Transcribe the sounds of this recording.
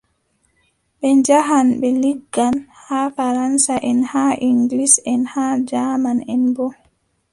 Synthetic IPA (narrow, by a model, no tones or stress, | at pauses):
ɓɛɲd͡ʒaɦanbɛliɡːanhaːfaɾansaʔɛnhaʔiŋɡlisɛnhaːd͡ʒaːmanɛnbɔ